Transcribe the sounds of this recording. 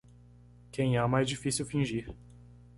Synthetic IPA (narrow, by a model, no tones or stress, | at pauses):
kẽj̃ɛmajzd͡ʒifisiuwfĩʒiɾ